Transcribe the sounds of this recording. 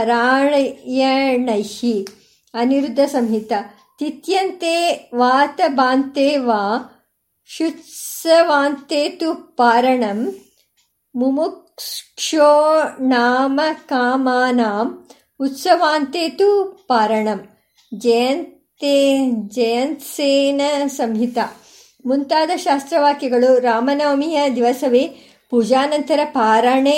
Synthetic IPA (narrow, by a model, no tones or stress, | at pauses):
ɐɾaːɳjɐɳɐjhi | ɐniɾud̪ʱːɐsɐmɦit̪ɐ | t̪it̪jɐnt̪eːʋaːt̪ɐbaːnt̪eːʋaː | ʃut̪sɐʋaːnt̪eːt̪upaːɾɐɳɐm | umuk | ʂoːnaːmɐkaːmaːnaːm | ut̪sɐʋaːnt̪eːt̪upaːɾɐɳɐm | d͡ʒɐjɐnt̪ | ed͡ʒɐjɐnt̪seːnɐsɐmɦit̪ɐ | munt̪aːd̪ɐʃaːst̪ɾɐʋaːkjɐɡɐɭuɾaːmɐnɐːɐmijɐd̪iʋɐsɐʋeː | puːd͡ʒaːnɐnt̪ɐɾɐpaːɾɐɳe